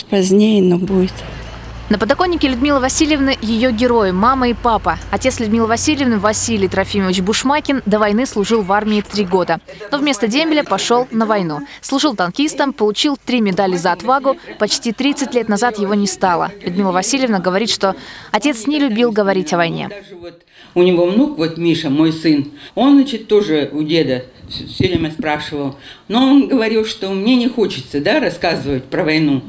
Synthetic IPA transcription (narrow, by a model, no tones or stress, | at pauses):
pɐzʲnʲejnobuɪt̪ | nəpəd̪ɐko̞nʲːɪkʲɪlʲʉʊd̪mʲilˠəvɐsʲilʲjɪvnɨjɪjoɡʲɪɾo̞jɪmaməipapəɐtʲe̞t̪slʲʉd̪mʲilˠəvɐsʲilʲɪjɪvnɨvɐsʲilʲɪjt̪ɾɐfʲiməvʲɪt͡ɕbʊʂmakʲɪnd̪əvɐjnɨslˠʊʐɨlˠvarmʲɪːt̪ɾʲiɡo̞d̪əno̞vmʲe̞st̪ədʲemʲbʲɪlʲəpɐʂo̞lˠnəvɐjnuslˠʊʐɨlˠt̪ɐnkʲist̪əmpəlˠʊt͡ɕilˠt̪ɾʲimʲɪd̪alʲɪzəɐt̪vaɡʊpɐt͡ɕtʲit̪ɾʲit̪sɨt̚ʲlʲet̪nɐzat̪jɪvo̞nʲɪst̪alˠə̰lʲʊd̪mʲilˠəvɐsʲilʲɪvnəɡəvɐɾʲit̪ʂt̪o̞ɐtʲe̞t̪snʲɪlʲʊbʲilˠɡəvɐɾʲitʲɐvɐjnʲḛd̪aʐɨvot̪ | ʊnʲɪvo̞vnukvo̞t̪mʲiʂəmojsɨnonzat͡ɕɪt̪ːoʐɨʊdʲe̞d̪əsʲoɾʲemʲɛspɾaʂɨvəlˠ | noonɡəvɐɾʲilˠʂt̪omnʲenʲɪxo̞t͡ɕɪ̥t̪səd̪aɾɐskazɨvətʲpɾəvɐjnu